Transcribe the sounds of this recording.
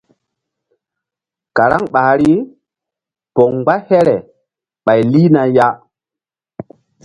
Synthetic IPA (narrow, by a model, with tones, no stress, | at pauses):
ka˨ɾa˦ŋɓaː˨ɾi˦ | pɔ˨ŋɡ͡ba˦hɛ˦ɾɛ˨ | ɓa˨jli˦na˨ja˦